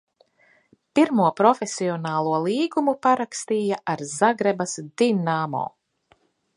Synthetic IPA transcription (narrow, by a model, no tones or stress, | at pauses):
piɾmuɔpɾɔfesiɔnaːlˠuɔlˠiːɡumupaɾakst̪iːjaʔaɾzaɡɾɛbasd̪̥inaːmɔ̰ː